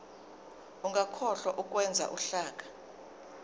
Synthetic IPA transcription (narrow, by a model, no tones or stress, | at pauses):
uŋʱakʰɔɬɔʔuk̬ʼwɛnd͡zʱa̰ʔuɬaːk̬ʼḁ